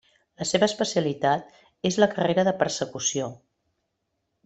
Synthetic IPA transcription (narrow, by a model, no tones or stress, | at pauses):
ləseβəspəsiəlit̪at̪̚ | ezləkəreɾəðəpəɾsəkusio